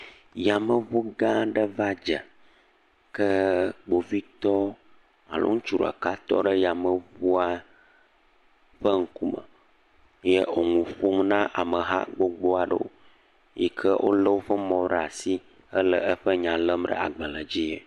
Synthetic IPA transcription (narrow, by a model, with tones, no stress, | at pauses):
ja˨mə˨vu˦ɡã˦ɖə˦va˦d͡ʒə̰˨ | kə˦ɡ͡bo˨vi˦t̪ɔ˦ | a̰˨lʔo̰˦ŋũ˦t͡ʃu˨ɾə̰˨ka˦t̪ɔ̰˦ɖə˦ja˨mə˨vu˦a˦ | ɸə˦ŋ̩˦ku˦mə̰˨ | je˦o˨ŋũ˨ɸo˦mnã˦ʔa˨mə˨ɦa̰˦ɡ͡bo˦ɡ͡bo˦a˨ɖə̰˦wo̰˦ | ji˦kʰə˦wʔo̰˦lə˦wo˦ɸə˦mɔ̃˨ɖa˨si˦ | ə˦lə˨ʔə˦ɸə˦ɲã˨lə˦mɖə̰˦a̰˨ɡ͡bə˨lə˨d͡ʑi˦je˨